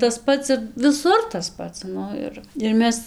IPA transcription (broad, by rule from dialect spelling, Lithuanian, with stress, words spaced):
tɐs ˈpɐts ɪr ʋʲɪˈsʊr tɐs ˈpɐts ˈnʊ ɪr ɪr ˈmʲɛs